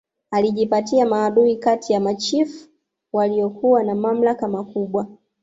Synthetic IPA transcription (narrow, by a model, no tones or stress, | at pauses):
aliʄipatiamaːɗuikatijamat͡ʃifu̥ | walijɔkuwanamam̩lakamakuɓwa